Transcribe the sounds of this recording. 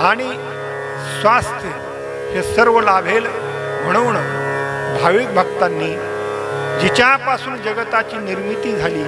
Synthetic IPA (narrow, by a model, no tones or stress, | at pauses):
aɽ̃i | sʋast̪ʰjə | ɦesəɾʋəlabʱel | m̤əɽ̃əʋɳ̃əbʱaʋik̪̚bʱəɡt̪anːiː | d͡ʑit͡ɕjapasuːnd͡ʑəɡət̪at͡ɕiːniɾmit̪iːd͡zʱaliː